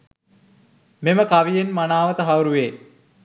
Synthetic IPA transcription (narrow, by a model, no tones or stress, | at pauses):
meməkaʋijenmanaːʋət̪əɦawɾuʋeː